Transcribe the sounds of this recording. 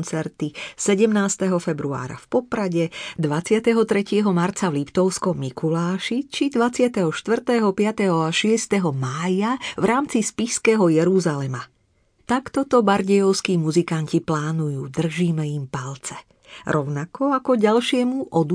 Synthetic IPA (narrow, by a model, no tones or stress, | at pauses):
nt͡sɛɾt̪isɛɟɛmnaːst̪ɛɦɔfɛbɾua̰ːɾa̰fpɔpɾaɟɛd̪ʋat͡sɪat̪ɛɦɔt̪ɾɛcɪɛɦɔmaɾt͡saʋlipt̪ɔʊskɔmːikʰulaːʃit͡ʃid̪ʋat͡sɪat̪ɛɦɔʃt̪ʋr̩t̪ɛɦɔpɪat̪ɛɦɔaʃɪɛst̪ɛɦɔmaːjaʋɾʔaːmt͡sispiskɛɦɔjɛɾuzalɛma | t̪akt̪ɔt̪ɔbaɾɟɛjɔʊskiːmuzikanciplaːnujuːd̪r̩ʒiːmɛimpalt͡sɛ̥ | ɾɔʊnakɔakɔɟalʃɪɛmuʔɔd̪u